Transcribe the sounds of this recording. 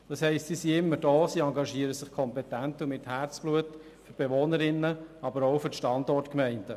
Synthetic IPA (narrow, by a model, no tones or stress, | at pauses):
d̥ɑshɛɪstsiːsiɪmːəɾd̥ɔːsiːɑŋɡɑʃiəɾəsɪχkʰɔmpɛtæntumɪthært͡sb̥luət | føɾb̥eʋoːnəɾɪnːəɑbəɾowfʏʃtɑndɔrtkmɛɪnd̥ə